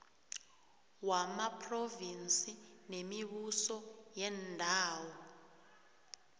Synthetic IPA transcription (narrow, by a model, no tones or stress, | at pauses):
wamapʰrovinsʼinemiβusɔjɛndʱaːwɔ